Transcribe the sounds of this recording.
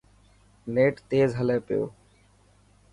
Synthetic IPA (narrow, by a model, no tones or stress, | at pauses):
neːʈt̪eːzɦəleːpɪjo̰ː